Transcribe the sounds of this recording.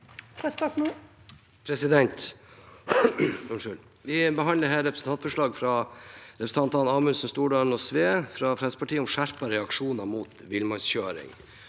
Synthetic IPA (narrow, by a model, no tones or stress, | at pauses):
pʰɾɛspɑknu | pʰɾɛsɪd̪ɛnt̪ | ʊʂʉl | ʋɪbəɦɑnləɦæːɾɛpʰɾəsn̩t̪ʰɑnt̪fɔʂɭɑːɡfɾɑɾɛpɾs̩ʰɑnt̪ɑnɑːmʉnsn̩st̪uːɖɑːn̩ɔsʋeːfɾɑfɾɛsəpʰɑʈʰiːəʊmʂæɾpɑɾɛɑkʂuːnɑmuːt̪ʋɪlmɑnsçøːɾɪ̰ŋ